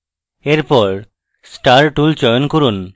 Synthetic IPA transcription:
eɾpɔɾ | sʈaɾʈult͡ɕɔjonkoɾun

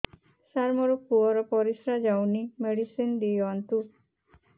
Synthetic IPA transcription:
saɾmɔɾɔpuɔɾɔpɔɾisɾad͡ʒawnimeɽisind̪ijɔnt̪u

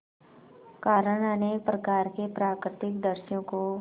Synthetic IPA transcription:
kaːɾəɽ̃anepɾɐkaːɾkepɾaːkɾɪt̪ɪk̚d̪əɾʃjõko

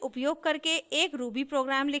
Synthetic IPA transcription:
ʊpjoːɡ̚kəɾkeeːkɾubipɾoːɡɾaːmlɪ

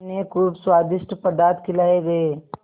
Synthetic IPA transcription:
nekuɾbswaːd̪ɪʃʈpɐd̪aːɾt̪kɪlaːeɡɐeː

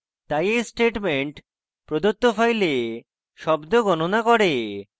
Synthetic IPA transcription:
t̪ajesʈeʈmeɳʈ | pɾod̪ot̪ːofajle | ʃɔbd̪oɡɔnonakɔɾe

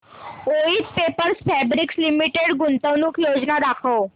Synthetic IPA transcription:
oit̪pepəɾspʰɛbɾikslimiʈeɽɡʊnt̪əʋnukjod͡ʒnad̪akʰəo

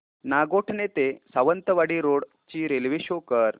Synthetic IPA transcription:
naɡoʈʰnet̪esaʋənt̪əʋaɽiːɾoɽ | t͡ɕiːɾelʋiɕokəɾ

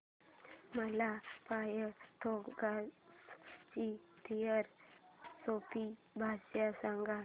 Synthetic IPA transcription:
məlapajət̪ʰoɡast͡ɕit̪ʰijəɾsopi | bʱasjasaŋɡa

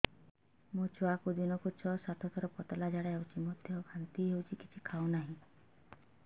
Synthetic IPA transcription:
mot͡ʃɔakud̪inɔkut͡ʃʰɔsat̪ʰɔt̪ʰɔɾɔpɔt̪ɔlad͡ʒaɽaɦewt͡ʃʰimɔd̪ʱjɔkʰant̪iɦewt͡ʃʰiki̥t͡ʃʰikʰawnaɦĩ

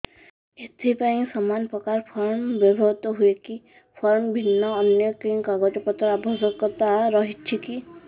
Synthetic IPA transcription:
et̪ʰipaĩsɔmanpɾɔkaɾpʰɔɾɳbɔbʱɔt̪ɔɦueki | pʰɔɾɳbʱinːɔːnjɔkĩkaɡɔtɔpɔt̪ɾabʱɔsɔkːɔt̪aɾɔɦit͡ʃʰiki

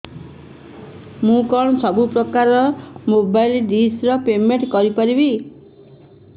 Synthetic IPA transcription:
mũkɔɭ̃sɔbupɾɔkaɾɔmobajlɖisɾɔpemeɳʈkɔɾipɔɾibi

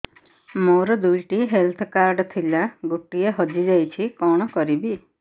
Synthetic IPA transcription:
moɾɔd̪ujʈiɦelt̪ʰɔkaɾɖt̪ʰilaɡuʈieɦɔd͡ʒid͡ʒajt͡ʃʰikɔɽ̃ɔkɔɾibi

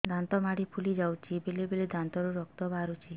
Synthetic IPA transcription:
d̪ant̪ɔmaɽipʰulid͡ʒawt͡ʃʰibelebeled̪ant̪ɔɾuɾɔk̚t̪ɔbaɾut͡ʃʰi

